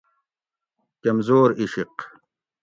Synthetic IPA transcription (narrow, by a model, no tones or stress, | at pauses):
kɐmzoːɾiɕiq